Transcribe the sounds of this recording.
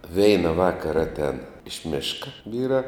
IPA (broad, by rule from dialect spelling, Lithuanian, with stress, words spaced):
ˈʋʲɛɪnɐ ˈʋɑːkɐrɐ ˈɑːtʲɛn ɪʃ ˈmʲeːʃkɐ ˈʋʲiːrɑː